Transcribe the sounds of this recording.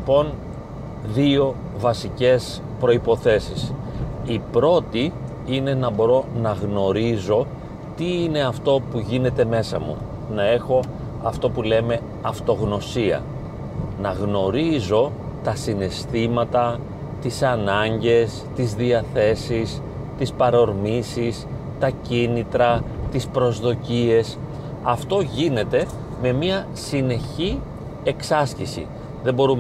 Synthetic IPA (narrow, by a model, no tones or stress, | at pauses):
ipo̞n | ðio̞ | vɐsice̞s | pɾo̞ipo̞θe̞sisipɾo̞t̪i | ine̞nɐbo̞ɾo̞nɐɣno̞ɾizo̞ | t̪iine̞ɐft̪o̞puʝine̞t̪e̞me̞sɐ̰mṵ | nɐe̞xo̞ | ɐft̪o̞pule̞me̞ | ɐft̪o̞ɣno̞siɐ̰ | nɐɣno̞ɾizo̞ | t̪ɐsine̞st̪imɐt̪ɐ | t̪isɐnɐɲɟe̞st̪izðiɐθe̞sis | t̪ispɐɾo̞ɾmisis | t̪ɐcinit̪ɾɐt̪ispɾo̞zðo̞cie̞s | ɐft̪o̞ʝine̞t̪e̞ | me̞miɐ | sine̞çi | e̞ksɐscisḭ | ðe̞bo̞ɾum